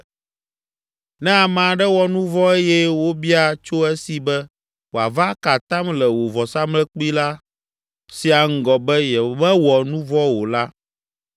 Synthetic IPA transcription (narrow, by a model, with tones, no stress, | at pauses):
nɛ̃˦a˨mã˨ɖɛ˦wɔ˨nũ˦vɔ˦e˦jɛ˦wo˦bi˦a˨t͡ʃo˦ɛ˦si˨bɛ˦ | wo˨a˨va˦ka˨t̪ã˦mlɛ˨wo˨vɔ˨sa˦mlɛ˦k͡pu˦i˦la˦ | si˨a˨ŋ̩˦ɡɔ˨bɛ˦jɛ˨mɛ̃˦wɔ˨nũ˦vɔ˦wo˨la˦